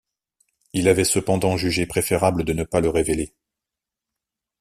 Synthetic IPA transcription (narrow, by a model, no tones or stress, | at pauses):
ilavɛsəpɑ̃d̪ɑ̃ʒyʒepχefeʁabləd̪ənəpaləʁevele